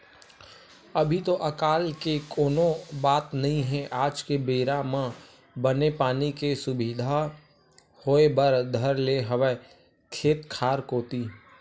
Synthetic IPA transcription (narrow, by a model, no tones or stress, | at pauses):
ɐbʱit̪oʔɐkaːlkekoːnõbaːt̪nɐɦĩɦɛ̃ʔaːd͡ʒkebeːɾamã | bənepaːnikesʊbid̪ʱa | hoːebəɾd̪ʱəɾleɦəʋɛ | kʰeːt̪kʰaːɾkoːt̪i